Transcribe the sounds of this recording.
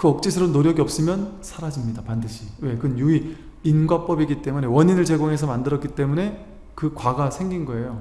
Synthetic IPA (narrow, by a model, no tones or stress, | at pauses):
kɯʌk̚t͡ɕ͈isʰɯɾonoɾjʌɡiʌp̚s͈ɯmjʌnsʰaɾad͡ʑimɲidapandɯɕʰiwe̞kɯnjui | inɡwap͈ʌbiɡit͈e̞mune̞wʌɲinɯɭt͡ɕe̞ɡoŋɦe̞s̬ʰʌmandɯɾʌk͈it͈e̞mune̞ | kɯkwaɡasʰe̞ŋɡinɡʌe̞jo